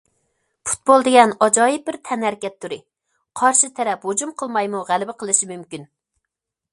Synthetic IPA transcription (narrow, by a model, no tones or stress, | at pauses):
pʰu̥t̪̚bolˠd̪ɪɡʲɛnɑd͡ʒɑːjip̚bɪɾt̪ʰɛnhæɾkʲɛt̪ʰːuɾɨ | qʰɑɾʃɨt̪ʰɛɾɛphod͡ʒumqʰəlˠmɑjmuʁælɪbɪqʰəlˠɨʃimymkʲyn